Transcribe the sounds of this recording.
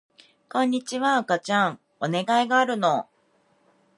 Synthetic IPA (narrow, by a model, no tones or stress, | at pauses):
kõ̞ɲ̟ːit͡ɕiβaːkat͡ɕãŋ | one̞ɡaiɡaːɾɯ̟no̞